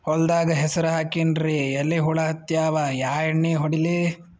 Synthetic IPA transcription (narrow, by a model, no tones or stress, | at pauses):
hɔld̪aːɡɐɦɛsɐɾuɦaːkinɾeɐlːeɦuɭɐɦɐt̪jaːʋajaːjɐɳːeːɦɔɽile